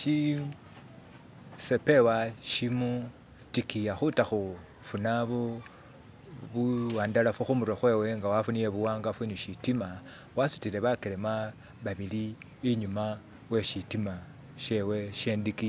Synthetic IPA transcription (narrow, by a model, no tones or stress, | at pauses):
ʃi | sepe̞waʃimu | tikijaxutaxu | funaβo | βuwaːndalafuxumuɾwaxwe̞we̞ŋɡawafunijeβuwaːŋɡafuniʃitima | wasutile̞βakelema | βaβili | iɲuma | we̞ʃitima | ʃe̞we̞ʃe̞ndiki